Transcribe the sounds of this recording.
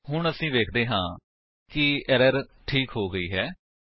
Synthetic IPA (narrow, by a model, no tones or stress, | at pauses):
ɦʊɳəsĩːʋeːkʰd̪eːɦãː | kɪɛɾəɾʈʰiːkɦoːɡəiːɦɛː